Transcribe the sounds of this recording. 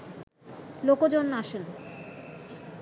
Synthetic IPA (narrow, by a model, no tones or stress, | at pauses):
lokod͡ʑonːaʃun